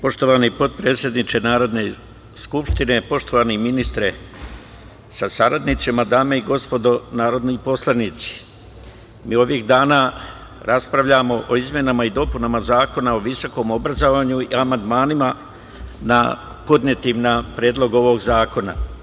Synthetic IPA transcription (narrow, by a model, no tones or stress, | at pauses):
po̞ʃt̪o̞ʋanipo̞d̪̚pɾeːt̪sʲje̞d̪nit͡ʃenaːɾo̞d̪ne̞ | skupʃt̪ine̞po̞ʃt̪oʋaniminist̪ɾe | sasaɾad̪nit̪simad̪aːme̞iɡo̞spo̞d̪o̞naːɾo̞d̪nipo̞slˠanit̪si̥ | miːo̞ʋiɣd̪aːna | ɾaspɾaʋʎamo̞ʔoizmje̞namaid̪o̞punamazaːko̞nao̞ʋiso̞ko̞ːmo̞bɾazoʋaːɲuiamand̪maːnima | na̰ | po̞d̪ɲe̞t̪imnapɾeːd̪lˠo̞ɡo̞ʋo̞ɡzaːko̞na̰